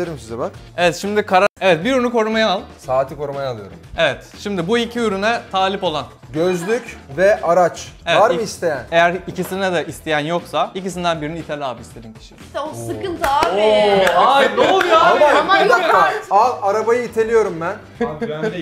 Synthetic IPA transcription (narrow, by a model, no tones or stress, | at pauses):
eɾimsizɛbak | e̞vɛt̪ʃimd̪ikʰaɾaevɛt̪̚biɾynuko̞ɾumajaalˠsaːt̪ʰiko̞ɾumajaːlˠɯjo̞̰ɾume̞vɛt̪ʃimd̪ibuicʰiyɾynɛt̪ʰaːlʲipo̞lˠan | ɟøzlʲycvɛʔaɾat͡ʃevaɾmɯist̪ʰe̞jæne̞jæɾicisinɛd̪aʔist̪ʰejænjo̞ksaicis̬ind̪ænbiɾinit̪ʰælʲaːpist̪ʰe̞d̪incʰi̥ʃi̥ɛosɯkɯnt̪a | aiaaaaaalˠaɾabajɯit̪ʰe̞lʲijo̞ɾumbæn